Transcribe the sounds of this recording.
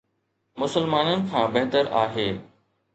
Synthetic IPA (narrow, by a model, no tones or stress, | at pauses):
mʊsəlmaːnənɪ̆kʰãːbeɦt̪əɾaːɦeː